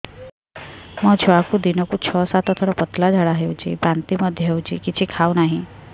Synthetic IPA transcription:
mɔt͡ʃʰuakud̪inɔkut͡ʃʰɔsat̪ʰɔt̪ʰɔɽɔpɔt̪lad͡ʒʱaɽaɦeuwt͡ʃʰḭpant̪iməd̪ʱjəɦewt͡ʃʰḭkit͡ʃʰikʰawnaɦĩ

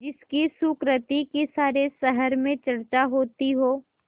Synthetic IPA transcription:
d͡ʒɪskisuːkɾət̪ikisaːɾesəɦəɾmẽt͡ʃɐɾt͡ʃaɦoːt̪iɦoː

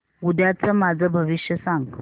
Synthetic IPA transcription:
ud̪ʱjat͡səmad͡zʱəbʱəʋiɕjəsaŋɡ

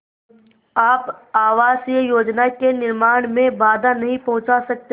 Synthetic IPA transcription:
aːpaːʋaːsiəjoːd͡ʒnakenɪɾmaːɽ̃mẽbaːd̪ʱanɐɦĩpɐɦʊ̃t͡ʃasɐk̚t̪e

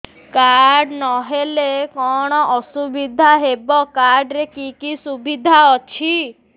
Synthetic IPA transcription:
kaɾɖnɔɦelekɔɽ̃ɔʔɔsubid̪ʱaɦebɔkaɾɖɾekikisubid̪ʱaɔt͡ʃʰi

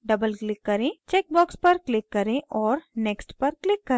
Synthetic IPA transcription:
ɖɐbəlklɪkːɐɾẽt͡ʃɛːk̚bɔːkspɐɾklɪkːɐɾẽʔɔːɾnɛːksʈpɐɾklɪkːɐɾẽ

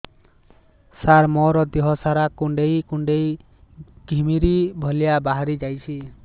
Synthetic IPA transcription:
saɾmɔɾɔd̪iɦɔsaɾakuɳɖejkuɳɖej | ɡ̥ʱimiɾibʱɔlijabaɦaɾid͡ʒajt͡ʃʰi

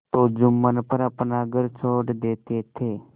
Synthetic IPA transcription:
t̪od͡ʒumːənpəɾəpnaɡəɾt͡ʃʰoːɽd̪eːt̪et̪ʰe

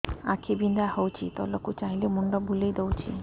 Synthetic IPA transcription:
a̰kʰibind̪ahɔwt͡ʃʰit̪ɔ̰lɔkut͡ʃaɦilemuɳɖɔbulejd̪owt͡ʃʰḭ

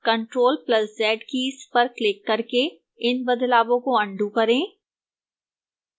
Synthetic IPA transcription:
kɐ̃ɳʈɾoːlplɐszɛːʈkispɐɾklɪkːɐɾke | ɪnbɐd̪laːbõkoɐ̃ɳɖukɐɾẽː

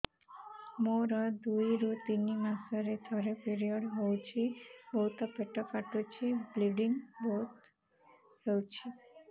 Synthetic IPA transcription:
moɾəd̪uiɾut̪inimãsəɾed̪ʱɔɾepiɾijəɽɦɔwt͡ʃʰibɔut̪əpeʈəkaʈut͡ʃʰebliɖinbot̪ | səwt͡ʃʰi

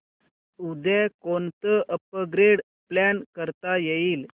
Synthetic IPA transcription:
ud̪ʱekont̪əʔəp̚əɡɾeɽ | plankəɾt̪ajeiːl

